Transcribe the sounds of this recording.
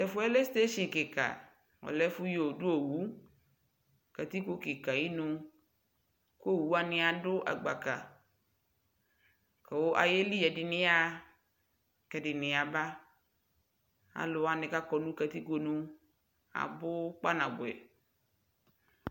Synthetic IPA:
t̪ɛ˨fʊ˦ɛ˦le˦st̪e˦ʃɪ˨ke˨ka̰˨ | wɔ̰˨lɛ˦fu˦jo˨du˦o˨wu˦ | ka˨t̪i˦ko˦ke˨ka˨ji˦nũ˦ | ko˦˨wu˦a˨nɪ̃˨a˨ɖʊ˦ʔa̰˨ɡ͡ba˨ka˨ | kɛ˨wo˦ʔa̰˨je˦li˦jɛ˨dɪ˨nɪ̃˦a˦ | kɛ˨ɖɪ˨nɪ̃˨a˨ba˦ | a̰˨lʊ˨a˨nɪ̃˨ka˦kɔ˨nũ˦ka˨t̪i˦ko˦nũ˦ | a̰˨bʊ˦k͡pa˦nã˨bʊ˨ɛ̰˨

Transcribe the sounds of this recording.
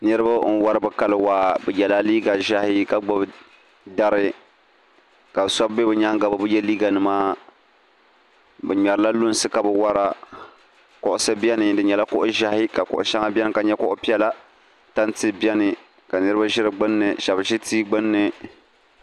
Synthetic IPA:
nɨ˦ɾɨ˦ba˦n̩˦wa˦ɾɨ˦bɨ˨ka˦lɨ˨waː˦bɛ˨jɛ˨la˦liː˦ɡa˨ʒa˦hɪ˦ka˦ɡ͡bɔ˦b | da˦ɾɨ˦ | ka˨sɔ˦bbe˦bɨ˨ɲa˦ŋɡa˨ba˨bɨ˦jɛ˦liː˦ɡa˨nɨ˨maː˦ | bɛ˨ɲɛ˨ɾɨ˨la˦lʊ˦n˦sɨ˦ka˨bɛ˨wa˦ɾa˦ | kʊ˨ʔʊ˦sɨ˦bjɛ˦nɨ˨dɨ˨ɲɛ˨la˦kʊ˦ʔʊ˦ʒa˦hɪ˦ka˨kʊ̰˨ʔʊ̰˨ʃa˦ŋa˦bʲɛ˦n˦ka˨ɲɛ˦kʊ˦ʔʊ˦pi˦ɛ˦la˦ | ta˦ntɨ˦bjɛ˦nɨ˨ | ka˨nɨ˦ɾɨ˦ba˦ʒɪ˦ɾɨ˨ɡ͡bɨ˦nːɨ˨ʃa˨bʒɪ˦tiː˦ɡ͡bɨ˦nːɨ˨

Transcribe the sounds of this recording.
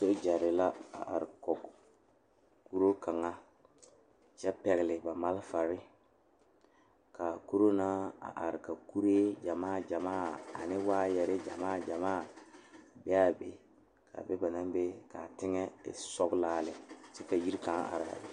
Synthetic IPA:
so˦ʔd͡ʒɛ˨ɾɪ˨la˦a̰˨ʔa̰˨ɾɪ˨kɔ˨k | ku˦ɾo˦ka˨ŋa˦ | t͡ʃɛ˦pɛ˨ɣɪ˨lɪ˨ba˨ma˦lfa˨ɾɪ˦ | ka˨ku˦ɾo˦naː˦a̰˨ʔa˨ɾɪ˨ka˨ku˦ɾeː˦d͡ʒa˨maː˦˨d͡ʒa˨maː˦˨a̰˨nɪ˦waː˦jɛ˨ɾɪ˦d͡ʒa̰˨maː˦˨d͡ʒa˨maː˦˨ | bɛ˦a˦bḛ˦ | kʰa̰˨be˦ba˨na˦mbe˦ka˨tɪ˦ŋɛ˦ɪ̰˨sɔ˦ɡlaː˦lɪ˨sɛ˦ka˨ji˦ɾkã˨˦ŋ˦a̰˨ɾa̰˨

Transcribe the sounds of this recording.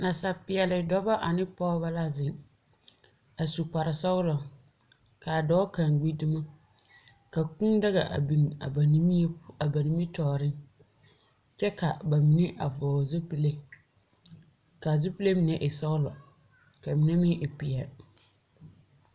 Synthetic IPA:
nã˨sa˨pɪ˨ɛ˨lɪ˨dɔ˦ba˦ʔa˨nɪ̃˦pʰɔː˦ba˦la˦zɪ̃˨n | a˨su˨ka˨ɾɪ˨sɔ˦wlɔ˨ | kʰa˨dɔː˦kʰã˨ŋ˨ɡ͡bi˦di˦mã˦ | ka˨kũ˦da˦ɣa̰˨ʔa̰˨bĩ˨n˨a̰˨ba˨nĩ˦mĩ˦a˨ba˨nĩ˦mĩ˦tʰɔː˨ɾɪ̃˦n | t͡ʃɛ˦kʰa˨ba˨mĩ˨nɪ̃˦ʔa̰˨vɔː˨zʊ˦pi˦le˦ | ka˨zʊ˦pi˦le˦mĩ˨nã˦˨ʔɪ˨sɔ˦wlɔ̰˨ | kʰa˨mĩ˨nã˦mɪ̃˦ʔɪ˨pi˨ɛ˨

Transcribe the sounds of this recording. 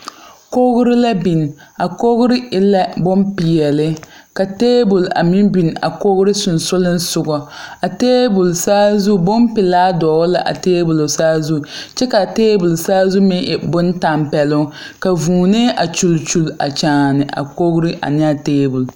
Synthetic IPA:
ko˦ɡʊ˦ɾɪ˦la˦bi˨n˨a˨ko˦ɣʊ˦ɾɪ˦ɪ˦lɛ˦bo˦mpi˨jɛ˨lɪ˦ | ka˨teː˦bʊ˨la̰˨mɪ˦nbi˨n˨a̰˨ko˦ɣʊ˦ɾɪ˦sʊ˨nsʊ˦lɪ˦n˦sʊ˨ɡɔ˨a˨teː˦bʊ˨lsaː˦zu˦˨bʊ˦mpɪ˨laː˦dɔː˨˦la˦ʔa̰˨teː˦bʊ˨lo˨saː˦zu˦˨t͡ʃɛ˦ka˨teː˦bʊ˨lsaː˦zu˦mɪ˦nʔɛ̰˨bʊ˦n˦ta˨mpɛ˨lʊ˦ | ka˨vuː˨ne˦ʔa˨t͡ʃu˨lt͡ʃu˨la̰˨t͡ʃaː˨nɪ˨ʔa̰˨ko˦ɡɾɪ˦ʔa̰˨nɪ˦a˨teː˦bu˨l

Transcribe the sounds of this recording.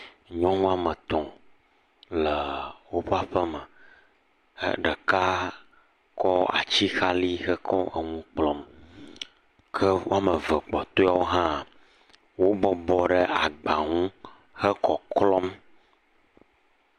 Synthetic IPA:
ɲɔ̃˦ŋũ˦a˦mə˨t̪ɔ̃˨ | lə˨wo˦ɸa˦ɸə˦mə˨˦ | ɖə˨ka˦ | kɔ˦a̰˨t͡ɕi˦xa˦li˦xə˦kʰɔ˦ʔə˨ŋũ˦k͡plɔ˦m | kʰə˦wo˦a˦mə˨və˨k͡pɔ˨t̪o˦a˦wo˦ɦã˦˨ | wo˦bɔ˦bɔ˨ɖə˦ʔa˨ɡ͡ba˨ŋũ˦ | hə˦kɔ˨klɔ˦m

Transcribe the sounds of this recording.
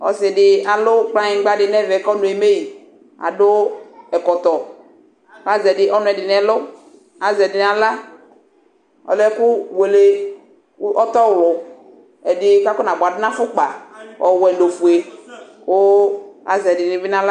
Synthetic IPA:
ɔ̰˨sɛ˨ɖɪ˨a˨lʊ˦k͡plã˦ɲɪ˨˦ɡ͡ba˦dɪ˨nɛ˦vɛ˨˦kɔ˦nʊ̃˨e˨me˦ji˨ | a̰˨dʊ˦ɛ˨kɔ˨t̪ɔ˨˦ | a˦zɛ˨ɖɪ˨ʔɔ˦nʊ̃˨˦ɛ˨dɪ˨nɛ˨lʊ˦ | a˨zɛ˨dɪ˨nã˨la˦ | ɔ̰˨lɛ˦ku˦we˨le˨˦ | ʔɔ˦t̪ɔ˦wlʊ˨ | ɛ˨dɪ˨ka˦kʊ˦nã˨bʊ˨a˨dʊ˦nã˦fʊ˦k͡pa˨wɔ̰˨wɛ˨nɖo˨fu˨e˨ko˦a̰˨zɛ˨dɪ˨nɪ̃˨vi˦nã˦la˦

